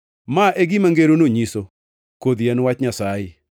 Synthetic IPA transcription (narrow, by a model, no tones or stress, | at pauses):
maʔeɡimaŋɡeɾonoɲiso | kod̪iɛnwat͡ʃɲasajɪ